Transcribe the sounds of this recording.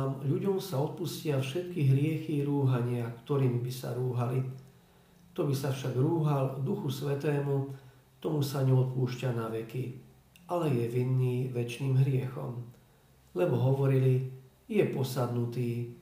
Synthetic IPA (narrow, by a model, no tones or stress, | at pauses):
mʎuɟɔmsaɔt̪̚puscɪafʃɛt̪kiɦɾɪɛxiɾuːɦaɲɪakt̪ɔɾiːmibisa̰ɾuːɦali | t̪ɔbisafʃaɡɾuːɦald̪uxusʋɛt̪ɛːmu | t̪ɔmusaɲɛɔt̪̚puːʃcanaʋɛki | ʔalɛjɛʋinːiːʋɛt͡ʃniːmɦɾɪɛxɔ̰m | lɛbɔɦɔʋɔɾili | jɛpɔsad̪nut̪iː